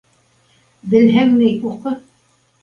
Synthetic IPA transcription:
bɘ̆lɦæŋnɘjuqɤ

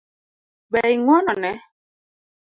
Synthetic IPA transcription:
bɛiŋwɔnɔnɛ

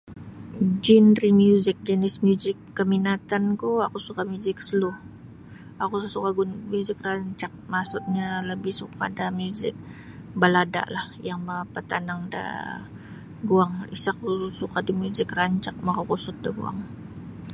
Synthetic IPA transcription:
d͡ʒinrimjuzɪk̚d͡ʒənɪsmjuzɪkːəminat̪ankuakusukamjuzɪksəlʊh | akusukaɡumjuzɪkraɲt͡ʃak̚masʊt̪̚ɲaləbɪhsuka̰damjuzɪ̰k̚ | balada̰ʔlahjaŋmapət̪anaŋda̰ | ɡuaŋḭsakusukadimjuzɪkraɲt͡ʃak̚makakusʊt̪̚daɡṵa̰ŋ

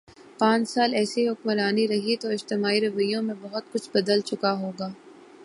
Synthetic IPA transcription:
pãːɲt͡ʃsaːlɛːseɦʊk̚məɾaːniɾɐɦit̪oɪd͡ʒt̪ɪmaːiɾɐʋəjõmẽbɐɦʊt̪̚kʊt͡ʃʰbɐd̪əlt͡ʃʊkaɦoːɡaː

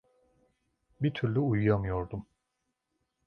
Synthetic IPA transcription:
bit̪ʰyɾlʲyujujamɯjo̞ɾd̪um

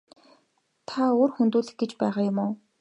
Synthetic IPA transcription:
t̪ʰaoːrxunt̪uːɮɘ̆x̚ɡet͡ɕpæːʁaːjʊmʊː

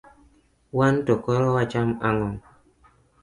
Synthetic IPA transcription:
wantokɔɾɔwat͡ʃamaŋɔŋ

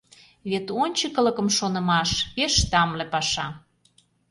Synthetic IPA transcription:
βet̪onʲt͡ɕəkə̆lə̆kə̆mʃonə̆mɑʃeʃt̪ɑmlepɑʃɑ

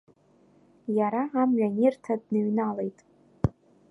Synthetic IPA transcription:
jaɾaːmɥanirtʰadnɨɥnalejtʼ

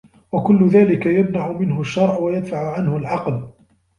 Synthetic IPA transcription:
wakʊlːʊðaːlɪkajamnaʕʊmɪnhʊʃːɑɾˤʕwajad̪faʕʊʕanhʊlʕɑql

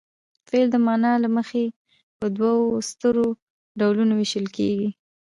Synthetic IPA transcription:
feld̪əmɑnɑlaməxe | pəd̪wawost̪əɾo | ɖawlunowɪʃəlkeɡi

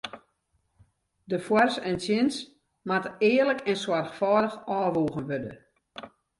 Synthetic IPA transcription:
dəfwarsɛnsjɪns | matəɪːərləkʰɛnswarxfɔːdəxɔːʋuːɣənʋødə̰

